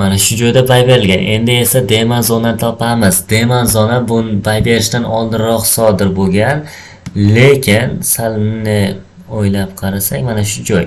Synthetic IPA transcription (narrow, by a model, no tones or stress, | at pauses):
manaʃʊd͡ʒɒjd̪abajbe̞ɾɪlɡʲanʔe̞nd̪ɪe̞sad̪e̞manzɒnant̪ʰɒpʰamɪz̥d̪e̞manzɒnabʊnbajbe̞ɾɪʃt̪anɒlˠd̪ɪɾɾɒqsɒd̪ɪɾbolˠɡʲan | le̞kʲʰɪnsalˠnɪ | ojlapqʰɑɾasakʲmanaʃ̬ʊd͡ʒɒj